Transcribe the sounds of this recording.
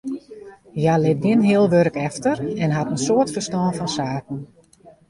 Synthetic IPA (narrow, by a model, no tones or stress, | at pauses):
jalɪt̚ɡɪnɦɪəlˠʋøɾəkɛftərɛnɦatənsoərtfərstɔːnfɔnsaːk̚ən̩